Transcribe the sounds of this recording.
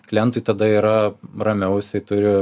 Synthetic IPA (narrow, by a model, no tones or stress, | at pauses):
klʲɛnt̪ʊɪt̪ɐd̪ɐiːɾɐrɐmʲɛʊsʲɛt̪ʊɾʲɪ